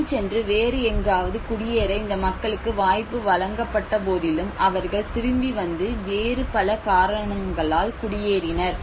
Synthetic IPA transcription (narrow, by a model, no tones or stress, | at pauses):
t͡ʃɛndrɯʋeːɾɯɛŋɡaːʋɐðɯkʊɽɪjeːɾɐɪnd̪ɐmɐkːɐɭɯkːɯʋaːjpːɯʋɐlɐŋɡɐpːɐʈːɐp̬oːðɪlɯmʔɐʋɐɾɣɐɭt̪ɪɾɯmbiʋɐnd̪ɯʋeːɾɯpɐlɐkaːɾɐɳɐmɡɐɭaːlkʊɽɪjeːɾɪnɐɾ